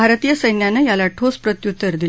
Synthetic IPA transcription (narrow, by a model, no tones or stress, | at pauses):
aɾt̪ijəsəjnjanːəjalaʈʰospɾət̪jut̪ːəɾd̪il